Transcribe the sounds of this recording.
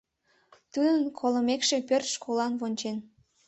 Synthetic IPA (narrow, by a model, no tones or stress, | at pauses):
t̪ud̪ənkʰoləmekʃe̽pørt̪ʃkolɑnβonʲt͡ɕen